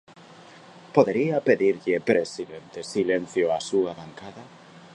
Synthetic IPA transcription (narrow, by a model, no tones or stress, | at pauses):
poðeɾiapeðiɾʎepɾesiðent̪esilẽn̟θjoasuaβaŋkaða